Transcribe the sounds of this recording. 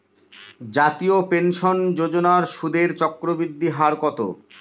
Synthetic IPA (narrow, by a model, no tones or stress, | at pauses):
d͡ʑat̪iopenʃond͡ʑod͡ʑonaɾʃud̪ʱeɾt͡ɕɔkɾobɾid̪ːiɦaɾkɔt̪o̰